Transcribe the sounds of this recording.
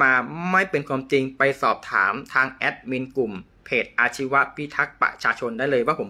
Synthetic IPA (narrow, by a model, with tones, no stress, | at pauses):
aː˧ma˥˩jpe˧nkʰwaː˧mt͡ɕi˧ŋpa˧jsɔː˨˩p̚t̪ʰa̰ː˩˦mt̪ʰaː˧ŋʔɛ˦˥t̪̚mi˧nku˨˩m | pʰeː˨˩t̪̚ʔaː˧t͡ɕʰi˦˥wa˦˥ʔpʰi˦˥t̪ʰa˦˥k̚pa̰˧˩t͡ɕʰaː˧t͡ɕʰo˧ndaː˥˩jlɤː˧jwaː˥˩pʰo˩˦m